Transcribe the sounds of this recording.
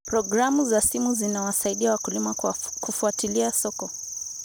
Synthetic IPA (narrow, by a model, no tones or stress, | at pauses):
pɾɔɡɾamuzasimuzinawasaiɗiawakulimakufuatiliasɔkɔ